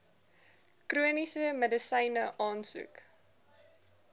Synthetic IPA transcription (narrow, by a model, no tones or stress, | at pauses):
kruənisəmədəsɛjnəʔɑːnsṵk